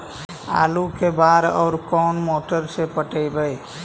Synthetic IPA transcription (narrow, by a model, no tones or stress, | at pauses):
a̰ːlukebaːɾɔ̰ːɾkɔːnmoːʈəɾsepəʈəibəj